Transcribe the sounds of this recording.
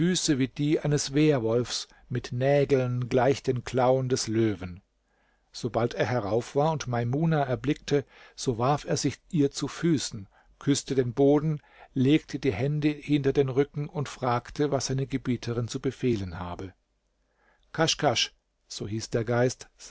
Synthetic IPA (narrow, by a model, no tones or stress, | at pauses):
fyːsəviːd̥iːʔaɪnəsv̥eːɐvɔlfs | mɪtnɛːɡl̩nɡlaɪçd̥eːnkʰl̥aʊəndɛsløːvn | z̥obalteːɐɦɛʁaʊfv̥aːɐʊntmaɪmuːnaɛɐblɪk̚tʰəz̥oːvaɐfeːɐzɪçʔiːɐt͡sufyːsn̩ | kʰʏstədeːnboːdn̩ | leːk̚tʰədiːhɛndəhɪntɐdeːnʁʏkŋ̩ʊntfʁ̥aːktʰəvasz̥aɪnəɡəbiːtʰəʁɪnt͡subəfeːlənhaːbə | kʰaʃkʰaʃ | z̥oːhiːsd̥eːɐɡaɪst